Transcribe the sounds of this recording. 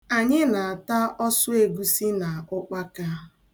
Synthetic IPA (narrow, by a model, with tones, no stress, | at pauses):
a˨ɲɪ˦na˨a˨ta˦ɔ˦sʊ˦e˨ɡu˦si˦na˨ʊ˦k͡pa˦ka˦